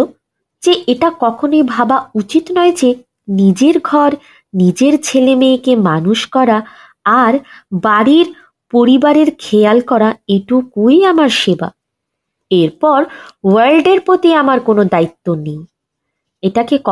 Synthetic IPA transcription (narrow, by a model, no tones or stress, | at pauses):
d͡ʑeʔeʈakɔkʰonejbʱabaut͡ɕit̪nɔed͡ʑe | nid͡ʑeɾɡʱɔɾ | nid͡ʑeɾt͡ɕʰelemejkemanuʃkɔɾaː | ɾbaɾiɾ | poɾibaɾeɾkʰealkɔɾaeʈukujamaɾʃeba̰ | eɾpɔɾwalɖeɾpot̪iamaɾkonod̪ait̪ːonej | eʈakekɔ